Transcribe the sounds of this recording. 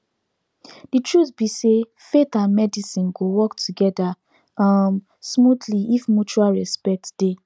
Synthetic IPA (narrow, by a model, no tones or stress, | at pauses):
d̥itʰɹutbise | fetãnmɛdisĩnɡowɔktʰuɡɛda | ʌm | smudliifmut͡ʃualɹɛspɛk̚td̥e